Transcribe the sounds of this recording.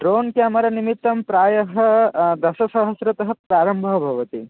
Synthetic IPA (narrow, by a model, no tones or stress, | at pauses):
ʈɾoːnkeɐmɐɾɐnimit̪ːɐmpɾaːjɐɦɐ̆d̪ɐʃɐsɐɦɐsɾɐt̪ɐɦɐ̆pɾaːɾɐmbʱɐɦɐbʱɐʋɐt̪i